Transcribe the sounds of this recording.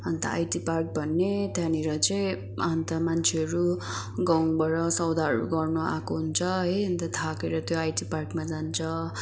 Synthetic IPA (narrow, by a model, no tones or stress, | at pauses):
ʌnt̪ʌ̰a̰jtipark̚bʱʌnːet̪janeɾʌt͡sʌĩ | ʌnt̪ʌmant͡sʰeɦʌɾu | ɡaw̃bʌɾʌsʌwd̪ʱaɦʌɾṵɡʌrnua̰koɦunt͡sʰʌɦʌjʌnt̪ʌt̪ʰakeɾʌt̪joajʈiparkmad͡zant͡sʰʌ